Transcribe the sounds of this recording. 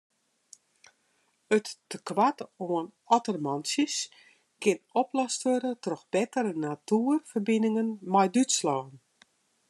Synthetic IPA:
ətːəkʋatoən | ɔtərmɔnsjəs | kʰɪnɔplɔstʋøɾətrɔxb̥ɛtərənatuərfərbinɪŋənmajdytslɔːn

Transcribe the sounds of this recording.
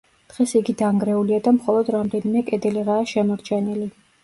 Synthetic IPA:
d̪̥ʁɛsiɡid̪aŋɡɾɛuliad̪amχɔlˠɔd̪ɾamd̪ɛnimɛkʼɛd̪ɛliʁaːʃɛmɔɾt͡ʃʰɛnili

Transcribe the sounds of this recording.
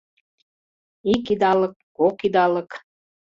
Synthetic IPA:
ikid̪ɑlə̆kːokid̪ɑlə̆k

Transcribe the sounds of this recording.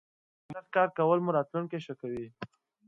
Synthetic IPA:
d̪axkɑɾkawəlmuɾɑt̪luɳkeʃəkawi

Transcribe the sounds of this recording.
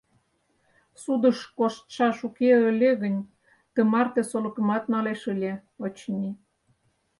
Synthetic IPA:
sud̪ə̆ʃkoʃt̪ʃɑʃukeə̆lʲeɣə̆nʲ | t̪ə̆mɑrt̪ĕsolɤ̆kə̆mɑt̪nɑleʃəlʲeot͡ɕnʲi

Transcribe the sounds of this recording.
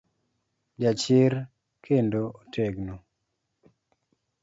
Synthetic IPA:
d͡ʒat͡ʃɪɾ | kʰendootʰeɡno

